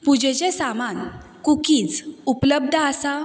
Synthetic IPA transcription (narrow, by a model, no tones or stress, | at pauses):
pud͡ʑet͡ɕesaman | kukiːt͡supləb̚d̪ʱasa